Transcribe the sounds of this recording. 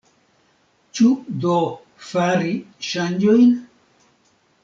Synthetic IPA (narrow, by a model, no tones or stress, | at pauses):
t͡ʃud̪o | faɾiʃand͡ʒojn